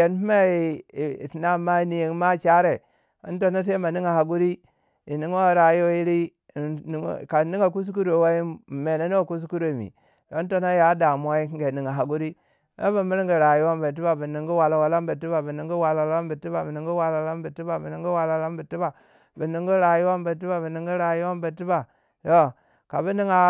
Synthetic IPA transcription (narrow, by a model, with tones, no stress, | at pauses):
e˨n˦hi˦ma˦˨ti˨na˦mːa˦ni˨ji˨ŋ˦ma˦t͡ʃa˦ɾe˨ | ḭ˦nto˦na˦s̬e˦ma˨ni˦ŋa˨ha˨ɡu˦ɾi˦ | i˨ni˦ŋ˦a˦ɾa˨ji˦wo˦ji˦ɾḭ˦˨ | ka˨ni˦ŋa˨k̬u˦s̬u˦ku˦ɾo˨wa˦i˦˨me˨na˦nu˦a˨ku˦s̬u˦ku˦ɾo˨mḭ˨ | lo˨˦n˦to˦na˦ja˨˦da˨m˦a˦i˦kɡe˨ni˨ŋa˨ɦa˨ɡu˦ɾi˦ | no̰˦bi˨mi˦ɾi˦ŋɡi˨ɾa˨ju˦wa˦mbə˨t̬i˦ba˨bi˨ni˨ŋɡu˦wa˨la˨wa˦la˦mbə˨ti˦ba˨bi˨ni˨ŋɡu˦wa˨la˨˦a˦mbi˨ti˦ba˨bi˨ni˨ŋɡu˦wa˨la˨˦la˦mbi˨ti˦ba˨bi˨ni˨ŋɡi˦wa˨la˨˦la˦mbi˨ti˦ba˨ | bi˨ni˨ŋɡu˦ɾa˨ju˦wa˦m˦bə˨t̬i˦ba˨bi˨ni˨ŋɡi˦ɾa˨ju˦wa˦mbə˨ti˦ba˨ | to˦ | ka˨bi˦ni˦ŋa˨